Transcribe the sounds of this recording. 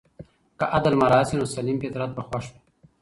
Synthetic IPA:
kaʔad̪almaɾɑasinosalimped̪ɾat̪̚baxwaʃwi

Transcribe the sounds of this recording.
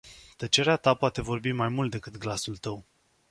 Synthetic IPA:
t̪ət͡ʃe̞ɾeat̪apoat̪e̞vo̞rbimajmult̪̚d̪e̞kɨt̪ɡlasult̪əw

